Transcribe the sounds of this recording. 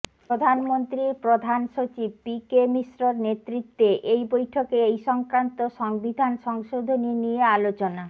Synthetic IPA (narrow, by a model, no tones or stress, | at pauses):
pɾod̪ʱanmont̪ɾipɾod̪ʱanʃot͡ɕib̚pikemisɾoɾnet̪ɾit̪ːeʔejbojʈʰokeejʃɔŋkɾant̪oʃɔŋbid̪ʱanʃɔŋʃod̪ʱoninijealot͡ɕona